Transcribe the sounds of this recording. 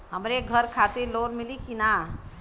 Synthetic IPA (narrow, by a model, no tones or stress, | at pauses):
ɦəmɾeɡʱəɾkʰat̪eloːnmɪlikina